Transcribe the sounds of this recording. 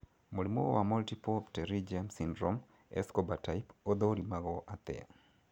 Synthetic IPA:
molimowamɔltipɔptɛɾid͡ʒamsindɾom | ɛ̰skɔbatajpod̪oɾimaɣɔʔat̪ɛ̰a̰

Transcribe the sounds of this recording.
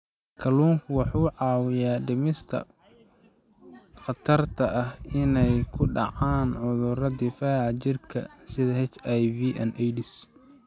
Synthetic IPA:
kʰɐluːŋkʰʊwɑħuːʕɑːwɪjaːɖɪmɪst̪ʰɐ̰ | χɑt̪ʰɐrt̪ʰɐʔɐhɪnɛjkʰʊɖɑ̰ʕaːnʕʊðʊɾɐd̪ɪfaːʕt͡ʃɪrkʰɐ̰sɪðɐɦɛt͡ʃajviːʔɐ̰nʔɛjɖɪs

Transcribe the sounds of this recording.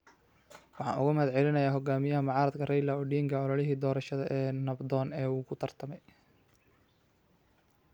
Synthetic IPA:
wɑħɑ̰ːnʔʊ̰ɣʊmɐɦɐd̪ʕɛlɪnɐjaːɦɔɡaːmɪjɐɦɐmɑʕɑːɾɐd̪kʰɐrɛjlɐʊɖiːŋkʰɐɔlɐlɪɦiːd̪ɔːɾɐʃɐðɐʔɛːnɐbd̪ɔːnɛːuːkʰʊt̪ʰɐrt̪ʰɐmɛj

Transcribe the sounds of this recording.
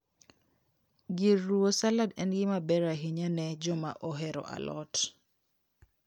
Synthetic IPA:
ɡirːuosaladɛnɡɪmabɛɾaɦiɲanɛd͡ʒɔma̰ʔɔɦɛɾɔ̰ʔa̰lɔ̰t

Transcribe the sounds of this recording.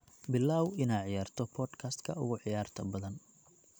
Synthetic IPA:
bɪlːaːwɪnaːʕɪjaːrt̪ʰɔpʰɔːd̪kʰaːst̪kʰɐʊ̰ɣʊʕɪjaːrt̪ʰɐbɐðɐn

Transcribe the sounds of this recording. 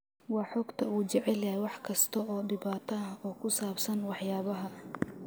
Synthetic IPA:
wɑːħɔːɡt̪ʰɐuːt͡ʃɛʕɛlɐhɛwɑħkʰɐst̪ʰɐɔːɖɪβaːt̪ʰɐɐhɔːkʰʊsaːbsɐnwɑħjaːβɐɦɐ

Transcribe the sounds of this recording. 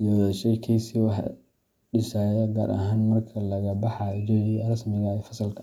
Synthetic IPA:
jɔðɐʃɛjkʰɛjsiwɑħ | ɖɪʃaːjɛɡa̰ːɾʔɐ̰ɦaːnmɐrkʰɐlɐɣɐbɑħɑd͡ʒɔjrɐsmɪɣɐɛjfɐsɐlkʰɐ

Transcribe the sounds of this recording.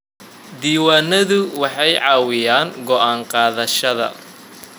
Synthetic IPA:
d̪iːwaːnɐðʊwɑħɑjʕɑːwɪjaːŋɡɔʔaːɴqɑːðɐʃɐðɐ̰

